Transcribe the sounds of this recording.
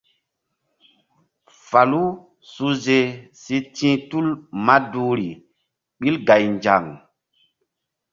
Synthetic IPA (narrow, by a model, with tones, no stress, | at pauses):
fa˨lu˦ | su˦ze˨si˦tĩ˦tu˦lma˦du˦ɾi˨ | ɓi˦lɡa˨jnd͡ʒa˨ŋ